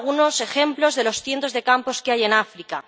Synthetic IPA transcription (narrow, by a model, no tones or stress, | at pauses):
ɣuno̞se̞xe̞mplo̞zðe̞lo̞sθje̞nt̪o̞zðe̞kampo̞skeaje̞nafɾika